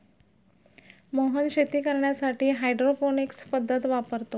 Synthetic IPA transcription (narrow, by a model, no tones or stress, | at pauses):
moɦənɕet̪iːkəɾɳjasaʈʰiːɦajɖɾofonikspəd̪ʱːət̪ʋapəɾt̪o